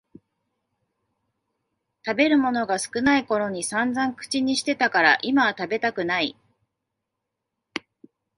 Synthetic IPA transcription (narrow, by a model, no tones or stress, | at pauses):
t̪abe̞ɾɯ̟mo̞no̞ɡasɨ̥kɯ̟naiko̞ɾo̞ɲ̟isãnd͡zãŋkɯ̟̥t͡ɕiɲ̟iɕi̥t̪e̞t̪akaɾaʔimat̪abe̞t̪akɯ̟nai